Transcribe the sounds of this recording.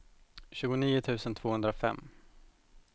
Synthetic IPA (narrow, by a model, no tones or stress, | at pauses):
ɕʉ̟ːɡʊniːʊt̪ʰʉ̟ːsənt̪ʰv̥oːhɵnd̪ɾaɔfɛ̰mː